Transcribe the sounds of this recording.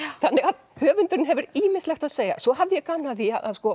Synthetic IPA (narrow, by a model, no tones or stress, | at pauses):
θanːɛɣað | hœːvʏnt̪ʏɾɪnɦɛvʏɾiːmɪst̪lɛxt̪aðseːjɣa̰sɔɦavðɪjɛkaːnaðia̰ða̰ðskɔ